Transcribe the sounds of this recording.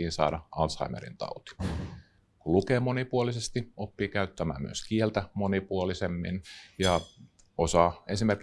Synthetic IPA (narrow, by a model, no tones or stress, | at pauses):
iːnsɑ̰ːɾɑɑnsɑ̰imḛɾḭnt̪ɑ̰ut̪i̥ | kulukeːmonipuolisest̪iʔopːiːkæyt̪ːæmæ̰ːmmy̰øskielt̪æmo̞nipuolisemːḭnjɑ | osɑːensimerk